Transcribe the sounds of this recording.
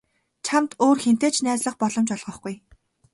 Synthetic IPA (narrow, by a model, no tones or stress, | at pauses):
t͡ɕʰamt̪oːrxen̥t̪eːt͡ɕnæːt͡sɮə̆χpɔɮɞ̆mt͡ɕɔɮʁɞ̆χɡ̥uj